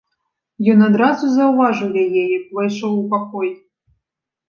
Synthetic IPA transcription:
jɔnad̪ɾazuzɐwvaʐɨwjɛjejiplˠɐjʂowupakoj

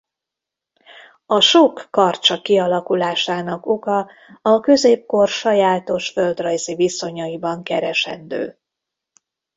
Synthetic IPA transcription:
ɒʃokːɒrt͡ʃɒkiɒlɒkulaːʃaːnɒko̞kɒ | ɒkø̞zeːp̚ko̞rʃɒjaːt̪o̞ʃføld̪rɒjziviso̞ɲɒibɒŋkɛɾɛʃɛ̰nd̪ø̰ː

